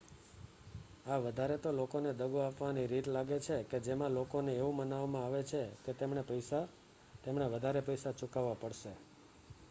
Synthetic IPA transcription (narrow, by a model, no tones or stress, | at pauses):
aʋəd̪ʱaɾet̪olokoned̪əɡuapʋaniɾit̪laɡet͡ʃʰeked͡ʒemãlokoneeʋũmənaʋmãaʋet͡ʃʰeket̪emɳepəjsa | t̪emɳeʋəd̪ʱaɾepəjsat͡ʃʊkaʋːapəɽʃe